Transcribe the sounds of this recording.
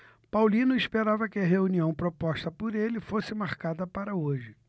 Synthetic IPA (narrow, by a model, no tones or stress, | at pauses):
pawlĩnʊispeɾavɐkɪɐɦeuniɐ̃w̃pɾopɔʃt̪ɐpʊɾelɪfosɪmaɾkad̪ɐpaɾɐoʒɪ